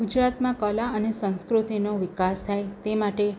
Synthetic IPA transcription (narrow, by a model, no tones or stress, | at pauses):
ud͡ʒɾat̪mãkəlaənesə̃ñskɾut̪inoʋɪkast̪ʰajt̪emaʈe